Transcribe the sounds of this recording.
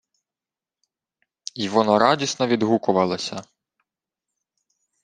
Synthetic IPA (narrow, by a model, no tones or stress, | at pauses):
iʋɔnɔɾɑdʲisnɔʋʲid̪ɦukʊʋɐlˠɔsʲɐ